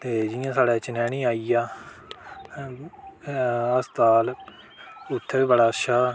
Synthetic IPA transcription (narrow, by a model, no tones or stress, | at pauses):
t̪eːd͡ʒɪjãːsaːɽɛːt͡ʃɪnɛːɽ̃iːaːijaː | əst̪aːl | ʊt̪ʰːeːbəɽaːʃaː